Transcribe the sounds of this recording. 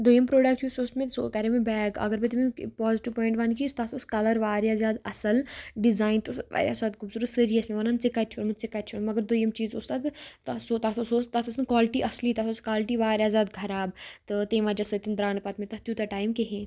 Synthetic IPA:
d̪ojɐmpɾoːɖɐk̚ʈʰjusosmẽsokɐɾemẽbɛːɡɐ̰ɡəɾbit̪imĩpaːziʈiʋpɔːɪɳʈʋɐnkist̪at̪ʰoskɐlɐɾʋaːɾjaːzjaːd̪ɐsɐlɖizaːjnt̪osʋa̰ːɾja̰saːd̪kubsuɾusəɾijɐsmeʋɐnɐnt͡sekɐt͡ʃʰunmɨsekɐt̪̚t͡ʃʰunmɐɡɐɾd̪ojɐmt͡ʃiːzoːst̪at̪t̪ɐsot̪at̪ʰosoːst̪at̪ʰɐsɨnkʋaːlɪʈiʔɐsliːt̪at̪ʰoskaːlɪʈiʋaːɾʲjaːzjaːd̪ɡʰʱɐɾaːbt̪ɨt̪eːʋaːd͡ʒɐsət̪ind̪ɾaːnpɐt̪mẽt̪ɐt̪jut̪ɐʈaːjmkeɦẽ

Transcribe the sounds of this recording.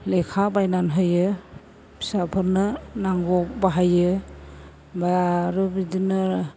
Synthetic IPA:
lekʰabajnanɦɯjɯ | bi̥sapʰɯɾnɯnaŋɡɔk̚baɦajɯ | baɾɯbidinɯ

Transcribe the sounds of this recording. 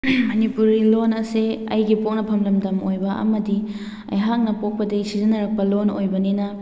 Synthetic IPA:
mɐnipuɾɡilonɐseɐjɡipok̚nɐpʰɐmlɐmdɐmojbɐʔɐ̰mɐdi | ɐ̰jɦak̚nɐpok̚pɐdɐsizinɐɾɐk̚pɐlonojbɐninɐ

